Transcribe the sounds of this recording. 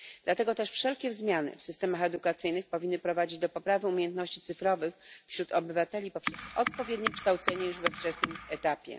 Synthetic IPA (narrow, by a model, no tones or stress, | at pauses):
d̪̥lat̪ɛɡɔt̪ɛʂfʂɛlkʲɛzmʲjanɘ̰fsɘst̪ɛmaxɛd̪ukat̪sɘjnɘxpɔvʲinːɘpɾɔvad͡ʑid͡ʑd̪ɔpɔpɾavɘumʲjejɛnt̪nɔɕt͡ɕit̪sɘfɾɔvɘxfɕɾut̪ʰɔbɘvat̪ɛlʲipɔpʂɛsɔt̪̚pɔvʲjɛd̪ɲɛkʂt̪awt̪sɛɲɛjuʐvɛft͡ʂɛsnɘmɛt̪apʲjɛ̰